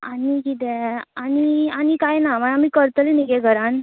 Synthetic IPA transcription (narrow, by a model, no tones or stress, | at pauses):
a̰nikit̪ɛanianikajnamanamikəɾt̪əleniɡeɡʱəɾan